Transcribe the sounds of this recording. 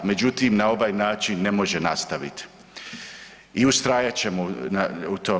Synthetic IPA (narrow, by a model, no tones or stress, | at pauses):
me̞d͡ʑut̪iːmnao̞ʋaːjnaːt͡ʃinːe̞mo̞ʒenast̪aʋḭt̪ | iust̪ɾaːjat͡ɕe̞monaut̪o̞ː